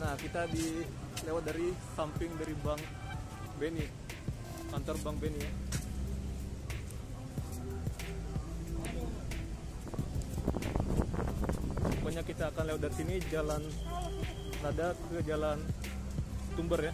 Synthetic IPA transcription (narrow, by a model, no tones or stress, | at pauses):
nahkit̪adi | lewat̪̚daɾisampɪŋdaɾibaŋ | beni | kant̪ɔrbaŋbeni | skaɲakit̪aːkanlewat̪̚dart̪inid͡ʒalan | ladakəd͡ʒalan | t̪umbərja